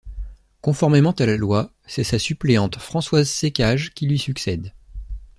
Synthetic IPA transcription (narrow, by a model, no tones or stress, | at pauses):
kɔ̃fɔʁmemɑ̃t̪alalwa | sɛsasypleɑ̃t̪fχɑ̃swazsekʲaʒkʲilɥisyksɛd̪